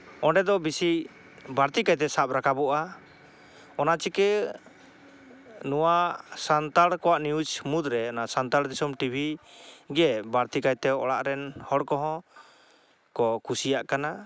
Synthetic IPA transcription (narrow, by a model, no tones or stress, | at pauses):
ɔɳɖɛd̪ɔbisi | baɾt̪ikajt̪̬ɛsap̚ɾakabɔʔa | ɔnat͡ʃikɛ | nuwasant̪aɽkɔwaʔniud͡ʒmud̪ɾɛɔnasant̪aɽd̪isɔmʈibʱiɡɛbaɾt̪ikajt̪ɛɔ̰ɽaʔɾɛnhɔɽkɔɦɔ̃ | kɔkusijaʔkana